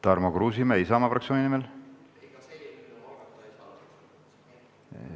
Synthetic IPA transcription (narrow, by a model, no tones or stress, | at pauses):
t̪ɑrmokruːs̬imeisɑmɑfrɑk̪̚sjoːnʲinimel